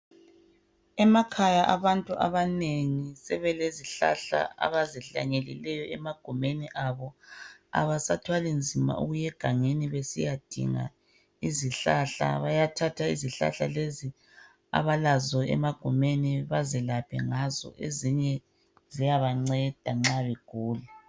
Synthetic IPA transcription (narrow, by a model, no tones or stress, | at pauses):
ɛmakʰajaʔaβantʼuʔa̰βaneŋisɛβɛleziɬa̰ɬa̰a̰βaziɬa̰ɲelḭlɛjɔɛmaɡ̥ʱumeniʔaβɔa̰βasatʰwalind͡zʱima̰ʔṵɣujɛɡ̥ʱaŋeniβesijad̥ʱḭŋa̰ | iziɬaɬa̰βajatʰatʰaiziɬa̰ɬalezi | a̰βalazɔɛ̰maɡ̥ʱumeniβazɛlapʰɛ̰ŋazɔ̰ʔeziɲɛ | zijaβaŋ͡ǀɛd̥ʱaŋ͡ǁaβɛɡ̥ʱuːlɛ